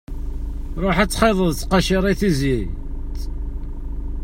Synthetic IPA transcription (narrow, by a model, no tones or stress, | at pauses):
ɾˤoħæt͡sːχeðˤəðt͡sqɑʃɪɾˤiθizi | t̪